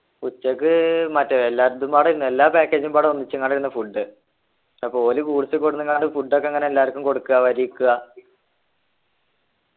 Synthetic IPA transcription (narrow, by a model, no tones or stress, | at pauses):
ut͡ɕːɐkːɨmɐtːɐelːaːɾt̪ːumbaːɽiɾunːe̞lːaːpaːkːeːd͡ʑumbaːɽɨonːit͡ɕːɨkːaːɽiɾunːɐfuɖːɨ | ɐpo̞ːlukuːɽisɨkːo̞ɽunːɨkaːɳɖɨfuɖːo̞kːeŋːɐneelːaːʋɐrkːumko̞ɽukːuɣɐʋɐɾikːuɣɐ